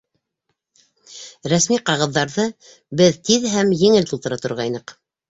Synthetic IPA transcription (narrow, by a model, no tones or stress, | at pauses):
ɾæsmiqɑʁɤ̆ðːɑɾðɤ | bɘðt̪iðɦæmjɘ̆ŋɘlt̪ulˠt̪ɤ̆ɾɑt̪ŏɾʁɑjnɤq